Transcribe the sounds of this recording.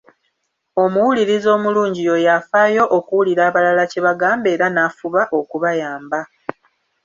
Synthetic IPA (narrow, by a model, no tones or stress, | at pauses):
o̞muwuliɾizo̞ːmuluːɲɟijo̞jafaːjo̞ʔokuwuliɾaːβalalace̞βaɡaːmbe̞ːɾanafuβaʔo̞kuβajaːmba